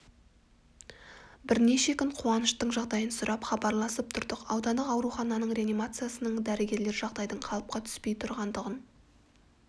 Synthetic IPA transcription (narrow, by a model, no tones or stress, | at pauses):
bɪɾne̞ʃe̞kʲɪɴqʰuɑnəʃt̪əɴʒɑʁd̪ɑjənsʊɾʔɑpχɑbɑɾlˠɑsəp̚t̪ʰʊɾd̪əqɑwd̪ɑnd̪əqɑwɾuχɑnɑnəɴɾe̞animat̪sɨjasənəɴd̪æɾɪɡʲe̞ɾle̞ɾʒɑʁd̪ɑjd̪əɴqʰɑlˠəp̚qɑt̪ʰʏ̥spe̞jt̪ʰʊɾʁɑnd̪əʁən